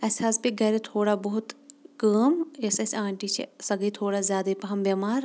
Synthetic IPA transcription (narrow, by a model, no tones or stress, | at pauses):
ɐsaːspiɡɐɾet̪ʰoːɽabɐɦʊt̪kəːmesesãːɳʈit͡ʃʰḛsɐɡət̪ʰoːɽazjaːd̪epɐɦɐmbɐmaːɾ